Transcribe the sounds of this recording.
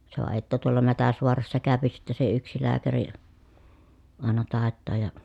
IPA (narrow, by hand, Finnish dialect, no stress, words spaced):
se ʋɑ etːæ tuolɑ mætæsʋoɑrɑsːɑ kæˑøpi sitːe se yksi læːkæri ri ɑˑenɑ tɑˑetːɑːj jɑ